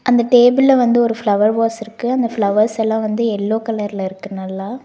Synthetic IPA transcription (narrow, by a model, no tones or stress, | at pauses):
ʔɐnd̪ɐʈeːbɪlːɐʋɐnd̪ɯɔɾɯfɭɐʋɐɾʋaːsɪɾɯkːɯɐnd̪ɐfɭɐʋɐɾsɛlːãːʋɐnd̪ɯɛlːoːkɐlɐɾlɐɪɾɯkːɯnɐlːãː